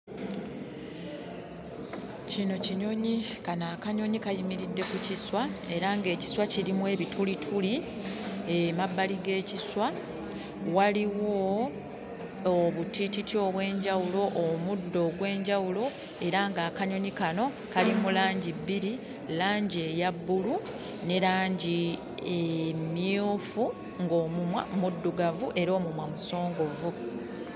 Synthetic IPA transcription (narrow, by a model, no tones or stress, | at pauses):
cino̞ciɲo̞ɲikanaːkaɲo̞ɲikajimiɾidːe̞kuciswae̞ɾaŋɡe̞ːci̥swaciɾimwe̞ːβitʰulitʰuli | emabːaliɡe̞ːciswa | waliwo | βutititio̞βwe̞ːɲɟawulo̞ʔːmudːo̞ːɡwe̞ːɲɟawulo̞ | e̞ɾaŋɡaːkaɲo̞ɲikano̞ | kalimulaːɲɟibːiɾi | laːɲɟejabːulu | ne̞ɾaːɲɟi | emiufu | ŋɡo̞ːmumwa̰mudːuɡavuʔe̞ɾo̞ːmumwamuso̞ːŋɡo̞vu